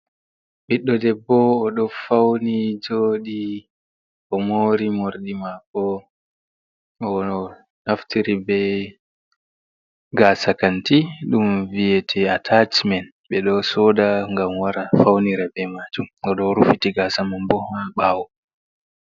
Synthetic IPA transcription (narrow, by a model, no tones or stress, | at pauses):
ɓiɗːɔdɛbːɔːɗɔfawnid͡ʒoɗi | ɔmoɾimoɾɗimakːɔ | ɔ | naftiɾibɛ | ɡasakantiɗumvijɛtʰɛatʰat͡ʃmɛn | ɓɛɗɔsɔdaŋɡamwaɾafawniɾabɛmad͡ʒumɔɗɔɾufitiɡasamambɔhaɓaːwɔ